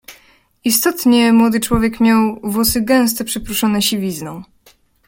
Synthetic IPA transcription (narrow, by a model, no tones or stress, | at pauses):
ist̪ɔt̪ɲɛmwɔd̪ɘt͡ʂwɔvʲjɛkmʲjawvwɔsɘɡɛ̃w̃s̬t̪ɛpʂɛpɾuʂɔnɛɕivʲiznɔ̃w̃